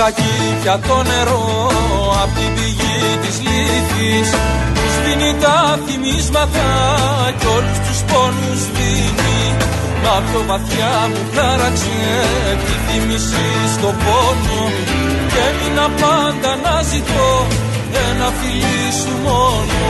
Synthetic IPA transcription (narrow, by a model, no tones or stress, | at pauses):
ɐci | ɐt̪o̞ne̞ɾo̞ | ɐpt̪iviʝit̪izliθis | uzðinit̪ɐθimizmɐt̪ɐceo̞lust̪usponuzðini | mɐpt̪o̞vɐθçɐmuθɐɾɐksi | eepiθimisi | st̪o̞pono | ceminɐpɐnd̪ɐnɐzit̪o̞ | ðenɐfili | sumo̞no